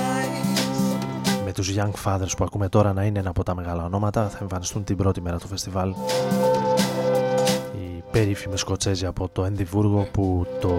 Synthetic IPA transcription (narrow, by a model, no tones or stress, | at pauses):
me̞t̪uzʝɐŋkfɐðe̞ɾspuɐkume̞t̪o̞ɾɐnɐineenɐːpo̞t̪ɐme̞ɣɐlɐo̞no̞mɐt̪ɐθɐe̞ɱfɐnist̪unt̪ibɾo̞t̪ime̞ɾɐt̪ofe̞st̪ivɐl | ipe̞ɾifimesko̞t͡se̞ziɐpo̞t̪o̞enðivuɾɣo̞put̪o̞